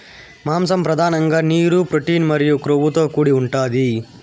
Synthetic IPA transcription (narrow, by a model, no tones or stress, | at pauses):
maːmsɐmpɾɐd̪ʱaːnɐŋɡaːniːɾupɾoʈiːnmɐɾijukɾoʋut̪oːkuːɽiuɳʈaːd̪i